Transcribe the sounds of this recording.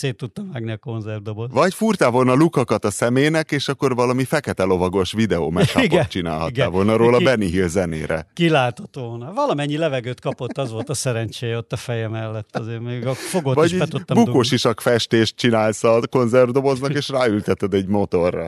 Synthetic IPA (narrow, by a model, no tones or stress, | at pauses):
seːt̪ːut̪ːɒmaːɡniɒko̞nzɛrd̪obosvɒcfurt̪aːvo̞lnɒlukɒkɒt̪ɒsɛmeːnɛkeːʃɒkːo̞rvɒlɒmifɛkɛt̪ɛlo̞vɒɡo̞ʃʋid̪ɛo̰ːmɛk̪ːɡot͡ʃina̰ːlhɦɒ̰ttɡaːvo̞lnɒɾoːlɒbɛnːiɦirzɛnḛːɾɛ̰kilaːt̪o̞t̪ʋolnɒvɒlɒmɛɲːilɛvɛɡøːt̪kɒpo̞t̪ːɒzʋo̞lt̪ɒsɛɾɛnt͡ʃeːjɛot̪ːɒfɛjɛmɛlːɛt̪ːɒzeːrmeːɡɒfoɡovɒɟʃiɛt̪utt̪ːmbukoːʃiʃɒkfɛʃt̪eːʃt̪̚t͡ʃinaːlsɒko̞nzɛrd̪o̞bo̞znɒkeːʃraːylt̪ɛt̪ɛd̪ɛɟmo̞t̪o̞rːɒ̰